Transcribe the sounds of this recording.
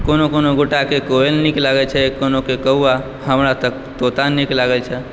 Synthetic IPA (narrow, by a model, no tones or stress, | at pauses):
konokonoɡuʈakekoelniklaɡət͡ʃʰɛkonokekəɦua | həmɾat̪ək | t̪ot̪anniklaɡəlt͡ʃʰɛ